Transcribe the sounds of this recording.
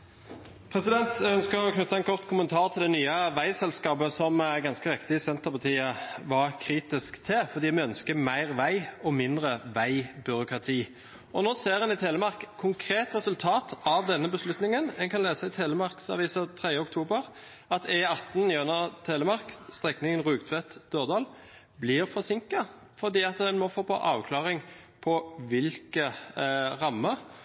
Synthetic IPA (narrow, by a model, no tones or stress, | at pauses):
pʰʁɛsɪd̪ɛnt̪æœnskəʁɔkʰnʉt̪ːɑɛnkʰɔʁt̪kʰʊmənt̪ʰɑːʁt̪ʰɪld̪ɛnyːəʋæɪsɛlskɑːpəsɔmæɡɑnskəɾɪkt̪ɪɪsɛnt̪əʁpʰɑt̪ʰiːəʋɑɾkʰɾiːt̪ɪskt̪ʰɛfɔʁd̪iːmɛœnskəmæɪʁʋæɪɔmɪnd̪ɾəʋæɪbʏɾʊkʁɑt̪ʰiː | ʔɔnoːseːɾʁɛnɪt̪ʰeːləmɑʁkkʰʊŋkʰɾeːt̪ʁɛsʉlt̪ʰɑːt̪ɑʋd̪ɛnːəbəslʉt̪nɪŋənɛnŋkʰɑnleːsəɪt̪ʰeːləmɑʁksɑ̰ʋiːsɑt̪ʰʁeːjəɔk̚t̪ʰuːbəʁ | ɑt̪ʰɛɑt̪ːn̩jœnət̪ʰeːləmɑʁkst̪ʁɛknɪŋənʁʉːɡt̪ʰʋɛt̪d̪̥øːʁd̪ɑːl | blɪʁfɔsɪŋkɑ | fɔʁd̪iːɑt̪d̪ɛnmɔfoːpʰɑ̰ʔɑːʋkʰlɑːʁɪŋpʰɔʋɪlkə | ʁɑmːə